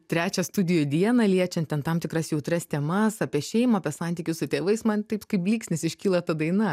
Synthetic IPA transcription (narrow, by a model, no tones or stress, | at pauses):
t̪ʲɾʲæːt͡ʃʲɛst̪ʊd̪ʲɪjoːd̪ʲiɛnɐlʲiɛt͡ʃʲɛnt̪ʲɛnt̪ɐmt̪ʲɪkɾɐsjɛʊt̪ɾɐst̪ʲɛmɐsɐːpʲiɛʃʲɛɪmɐɐpʲɛsɑnʲt̪ʲiːkʲʊssʊt̪ʲeːʋɐɪsmɐnt̪ɐɪpskɐɪpʲlʲiːksʲnʲɛsɪʃʲkʲiːlˠɐt̪ɐd̪ɐɪnɐ